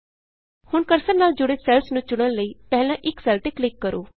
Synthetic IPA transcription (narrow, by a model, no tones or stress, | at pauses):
hʊɳkəɾsəɾnaːld͡ʒʊɽeːsɛːlsnũːt͡ʃʊɽ̃ənləiːpɛɦlãːʔɪksaːlʈ̪eːklɪkːəɾo̰ː